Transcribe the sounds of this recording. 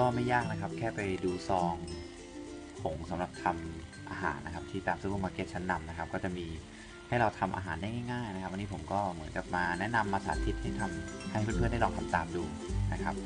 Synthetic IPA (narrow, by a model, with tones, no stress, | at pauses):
kɔː˥˩ma˥˩jːaː˥˩k̚na˦˥kʰa˦˥p̚kʰɛː˥˩pa˧jduː˧sɔː˧ŋ | ho˩˦ŋsa˩˦mɾa˨˩p̚t̪ʰa˧m | ʔa̰ː˧ɦa̰ː˩˦nʔkʰa˦˥p̚t̪ʰiː˥˩t̪aː˧msu˧˥˩o˧˥˩maː˧ke˦˥t̪̚t͡ɕʰa˦˥nːa˧mna˦˥kʰp̚kɔː˥˩t͡ɕa˨˩ʔmiː˧ | ha˥˩jɾa˧wt̪ʰa˧mʔa̰ː˧˩ɦaː˩˦ndaː˥˩jŋaː˥˩jŋaː˥˩jna˧˥kʰa˦˥pʔa˧niː˦˥pʰo˩˦mkɔː˥˩mɯ˩˦ənka˨˩p̚maː˧nɛ˦˥ʔna˧mʔaː˧saː˩˦t̪ʰi˦˥t̪̚ha˥˩jt̪ʰa˧mha˥˩jpʰɯː˥˧˩npʰɯ˥˩ənda˥˩lɔː˧ŋt̪ʰa˧mt̪aː˧mduː˧ | na˦˥kʰa˦˥p̚